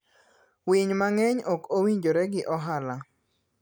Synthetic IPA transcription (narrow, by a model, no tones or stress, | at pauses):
wiɲmaŋɛɲɔkowiɲd͡ʒoɾɛɡɪʔɔɦala